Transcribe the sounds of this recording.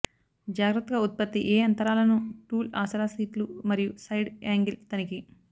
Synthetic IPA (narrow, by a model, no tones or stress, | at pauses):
d͡ʒaːɡɾɐt̪ːɐɡaut̪̚pɐt̪ːiʔeːɐnt̪ɐɾaːlɐnuʈuːlaːsɐɾaːsiːʈlumɐɾijusɐjɖaːŋɡilt̪ɐniki